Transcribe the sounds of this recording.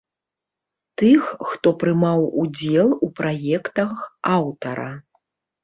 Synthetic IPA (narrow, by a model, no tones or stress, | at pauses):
t̪ɨxːt̪ɔpɾɨmawud͡zʲɛlˠupɾajɛkt̪ɐxawt̪ɐɾɐ̰